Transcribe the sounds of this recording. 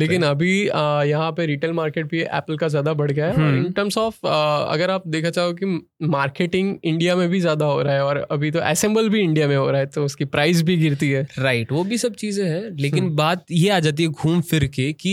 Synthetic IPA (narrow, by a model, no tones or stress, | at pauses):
leːkɪ̃nɐbʱijɐɦãpeɾiːʈeːlmaːɾkeːʈ̚bʱiʔɛ̰ːpəlkazjaːd̪abɐɽ̤ɡaɦɛɔːɾɪ̃ɳʈəɾmsɔːfɐ̰ɡəɾaːp̚d̪eːkʰat͡ʃaːokimaːɾkeːʈɪ̃ŋɡɪ̃ɳɖijamẽbʱizjaːd̪aɦoːɾaaɦɛɔːɾɐbʱit̪oʔɛ̰ːsɛ̃mbəlbʱiɪ̃ɳɖijamẽɦo̰ːɾaɦɛt̪oʊskipɾaːɪzbʱiɡɪɾt̪iɦɛːɾaːɪʈʋoːbʱisɐb̚t͡ʃiːzẽɦɛ̃leːkɪnbaːt̪jeaːd͡ʒaːt̪̬iɦɛɡʱuːmfɪɾkeki